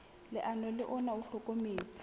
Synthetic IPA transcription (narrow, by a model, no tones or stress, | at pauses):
lɪʔanɔlɪʔɔnauɬokʼomeːt͡sʰʼḁ